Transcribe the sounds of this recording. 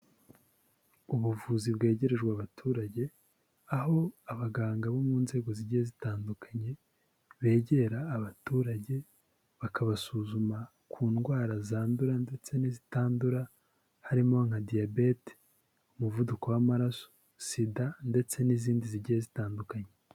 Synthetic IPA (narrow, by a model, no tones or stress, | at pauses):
uβuvuzibɡe̞ːɟe̞ɾe̞ʒɡwaβatʰuːɾaɟe̞ | aɦo̞aβaɡaːŋɡaβo̞muːnze̞ːɡo̞ziɟijezitaːndukaɲe̞ | βe̞ːɟe̞ɾaːβatuːɾaɟe̞ | βakaβasuzuma | kʰuːnɡwaːɾazaːnduɾande̞t͡se̞nizitaːnduɾa | haɾimo̞ŋhadijabe̞te̥ | umuvuduko̞wamaɾaso̥ | sidande̞t͡se̞niziːndiziɟijezitaːndukaɲe̞